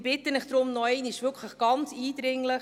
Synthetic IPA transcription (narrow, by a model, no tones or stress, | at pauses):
b̥ɪtənɪχd̥ɾʊmnɔɛɪnɪʃʋʏkʰləχɡ̥ɑnt͡siːd̥ɾɪŋləχ